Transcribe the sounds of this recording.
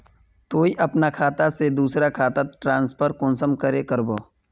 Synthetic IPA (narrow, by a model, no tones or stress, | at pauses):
t̪oːiʔɐpnakʰaːt̪ased̪uːsɾakʰaːt̪aʈɾãːnspʰəɾkʊnsəmkəɾekəɾboː